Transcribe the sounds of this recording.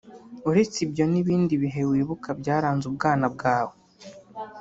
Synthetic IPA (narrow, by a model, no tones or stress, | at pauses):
uɾe̞t͡sibjo̞niβiːndiβiɦe̞wiːβukʰabɟaːɾaːnzubɡaːnab̚ɡaːwo